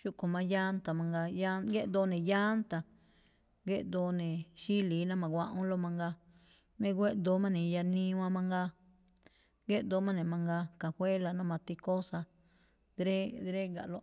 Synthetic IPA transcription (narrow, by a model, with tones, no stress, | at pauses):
ʃu˧ko˨mã˧ja˦nt̪a˨mã˧ŋɡa˧ja˦ɡe˦ʔd̪o˧nẽ˨ja˦nt̪a˨ | ɡe˦ʔd̪o˧nẽ˨ʃi˦li˨˦nã˦mã˨ɡʷã˧ʔõ˦lo˧mã˧ŋɡa˧ | mẽ˧ɡʷe˦ʔd̪o˨˦mã˦nĩ˨ja˧nĩ˧˦˧w̃ã˧mã˧ŋɡa˧ | ɡe˦ʔd̪o˧˦mã˦nẽ˨mã˧ŋɡa˧ka˨hʷwʷe˦la˧nã˦˧mã˧t̪i˧ko˦sa˧ | d̪ɾe˦d̪ɾe˦ɡa̰˨lo˧